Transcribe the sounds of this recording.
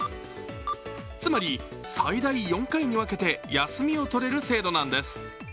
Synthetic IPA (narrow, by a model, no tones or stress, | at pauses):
t͡sɨmaɾʲi | said̪aijõ̞ŋkaiɲ̟iβake̞t̪e̞jasɨmʲio̞t̪o̞ɾe̞ɾɯ̟se̞ːd̪o̞nãnd̪e̞sɨ̥